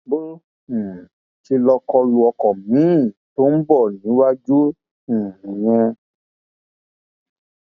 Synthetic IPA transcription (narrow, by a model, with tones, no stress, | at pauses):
bo˦˨ | ʃi˧lɔ˧kɔ˧lu˧ɔ˧kɔ˨mĩ˨˦˨to˦n̩˦bɔ˦˨nĩ˨˦wa˦d͡ʒũ˦˨ | j̃ɛ̃˧